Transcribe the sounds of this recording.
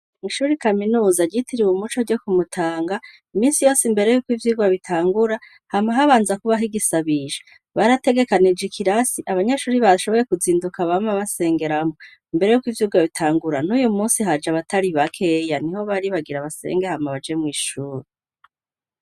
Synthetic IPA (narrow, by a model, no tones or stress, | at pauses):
ŋiʃuːɾikaminuːzaɟitʰiɾiwumut͡ʃoɟo̞kumutʰaːŋɡa | imiːnsijo̞ːsimbe̞ɾe̞jukwiːvjiːɡwaβitʰaːŋɡuɾa | hamaɦaβaːnzakuβaɦiɡisaβiʒe | βaɾate̞ɡe̞kanid͡ʒikʰiɾasiʔaβaɲeʃuːɾiβaʃo̞βo̞je̞kuziːndukaβamaβase̞ːŋɡe̞ɾamo | imbe̞ɾe̞jukwiːvjuːɡwaβitʰaːŋɡuɾanujumuːnsiɦad͡ʒaβatʰaɾiβakʰe̞ːjaniho̞βaɾiβaɡiɾaβase̞̰ːŋɡehamaβad͡ʒemŋiːʃuːɾi